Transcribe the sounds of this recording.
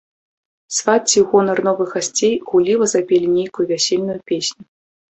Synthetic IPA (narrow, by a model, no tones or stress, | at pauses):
svat͡sʲiɣɔnɐrnɔvɨɣasʲt͡sʲejɣulʲivɐzapʲelʲinʲejkujuvʲasʲelʲnujupʲesʲnʲu